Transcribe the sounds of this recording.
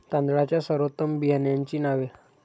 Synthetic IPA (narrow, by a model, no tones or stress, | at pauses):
t̪ãnd̪ɽat͡ɕjasəɾot̪ːəmbijanjaɲt͡ɕiːnaʋe